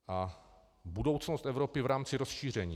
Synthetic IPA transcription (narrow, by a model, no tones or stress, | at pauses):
ʔa | budo̞wt͡snost̪ɛvɾo̞pɪvɾaːmt͡sɪɾosʃiːr̝ɛɲḭː